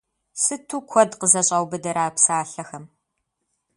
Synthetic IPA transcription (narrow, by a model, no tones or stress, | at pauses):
sɨtʰuːkʷʰɔdqəzɐɕʼɐwbɨdɐɾaːpsaːɬɐxɐm